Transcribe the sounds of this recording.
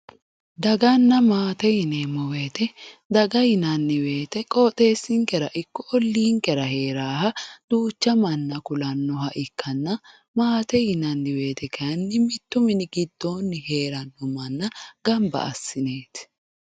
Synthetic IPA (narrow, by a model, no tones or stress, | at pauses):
d̪ɐɡɐnːɐmaːt̪ɛjɪneːmɔwe̞ːt̪ɛd̪ɐɡɐjɪnɐnːɪwe̞ːt̪ɛkʼoːt̪ʼe̞ːsːɪŋkɛɾɐʔɪkːɔʔɔlːiːŋkɛɾɐhe̞ːɾaːhɐd̪̥uːt͡ʃːɐmɐnːɐkʊlɐnːɔɦɐʔɪkʰːɐnːɐ | maːt̪ɛjɪnɐnːɪwe̞ːt̪ɛkʰɐɐnːɪmɪt̪ːʊmɪnɪɡɪd̪ːo̞ːnːɪhe̞ːɾɐnːɔmɐnːɐɡɐmbɐ̰ʔɐ̰sːɪne̞ːt̪